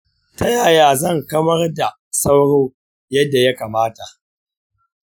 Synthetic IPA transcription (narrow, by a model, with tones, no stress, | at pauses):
ta˦jaː˨jaː˨zɐ˦˨ŋkɐ˦mɐ˦rda˨ | sa˦wɽoː˦ | jɐ˦dːa˨ja˦kaː˨maː˦ta˨ʔ